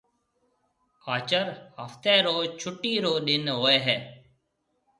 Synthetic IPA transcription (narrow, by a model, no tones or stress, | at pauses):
aːt͡ʃəɾɦəft̪eːɾoːt͡ʃʰʊʈːiːɾoːɗɪnɦoːeːɦɛː